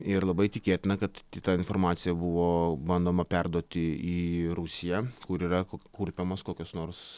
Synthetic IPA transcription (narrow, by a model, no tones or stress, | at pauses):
ɪɾlˠɐbɐɪt̪ʲɪkʲeːt̪ʲɪnɐkɐt̪t̪ʲɪt̪ɐɪnfoːɾmɑːt̪sʲɪjɛbʊʋoːbɐnd̪oːmɐpʲɛrd̪uɔt̪ʲɪiːɾusʲɪjɛkʊɾiːrɐkokuːɾʲpʲemoːskoːkʲoːsnoːrs